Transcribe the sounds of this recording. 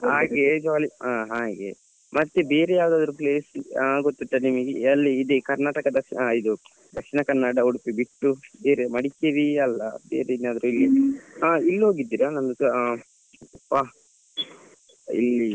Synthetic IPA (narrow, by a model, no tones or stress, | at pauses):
ɦaːɡed͡ʒaːliaɦaːɡe | mɐt̪ːebe̞ːɾejaːʋd̪aːd̪ɐɾupleːsaɡot̪ːuʈːɐnimɐɡeɐlːiːd̪ekɐɾnaːʈɐkɐd̪ɐid̪u | d̪ɐkʂinɐkɐɾnːaːɽɐuɽupibiʈːubeːɾemɐɽikeʋiɐlːɐ̰bḛːɾeid̪naːd̪ɐɾuilːiailːɦo̞ːɡid̪ːiːɾanɐnd̪us | pa | ḭlːi